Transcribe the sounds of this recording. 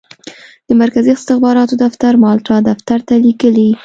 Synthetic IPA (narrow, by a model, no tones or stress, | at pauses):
d̪̥əmaɾkaziɪst̪ɪxbɑɾɑt̪od̪aft̪aɾmɑlʈɑd̪aft̪aɾt̪alikəli